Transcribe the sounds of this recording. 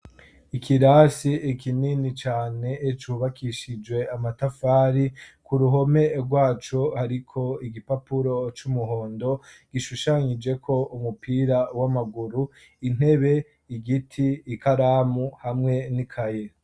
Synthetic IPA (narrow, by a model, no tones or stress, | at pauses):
ikʰiɾaːsiːkʰininit͡ʃaːne̞ːt͡ʃuːβakʰiʃid͡ʒwe̞amatafaːɾikuɾuɦo̞me̞ɾɡwaːt͡ʃo̞haɾikʰo̞iɡipapuɾo̞t͡ʃumuɦo̞ːndo̞ | ɡ̥iʃuʃaɲid͡ʒe̞kʰo̞umupiːɾawamaɡuɾu | in̥he̞βe̞ | iɡitʰiːkaɾaːmuhamŋe̞nikʰaje̞